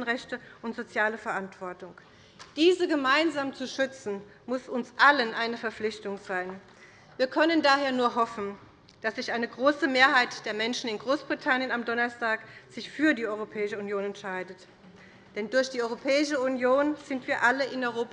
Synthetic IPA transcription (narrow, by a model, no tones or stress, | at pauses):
n̩ʁɛçtəʔʊntz̥ot͡sjaːləfɛɐʔantv̥ɔɐtʊŋ | d̥iːzəɡəmaɪnzaːmt͡suʃʏt͡sn̩ | mʊsʊnsʔalənʔaɪnəfɛɐflɪçtʊŋz̥aɪn | viːɐkʰœnəndaːɦeːɐnuːɐɦɔfn̩ | d̥asz̥ɪçʔaɪnəɡʁoːsəmeːɐɦaɪtd̥eːɐmɛnʃn̩ɪnɡʁoːsb̥ʁitʰanjənamdɔnɐstaːkz̥ɪçfyːɐdiːʔɔʏʁ̞opʰɛːɪʃəunjoːnɛntʃaɪdət | d̥ɛndʊɐçd̥iːɔʏʁopʰɛːɪʃəunjoːnz̥ɪntv̥iːɐʔaləʔɪnɔʏʁoːp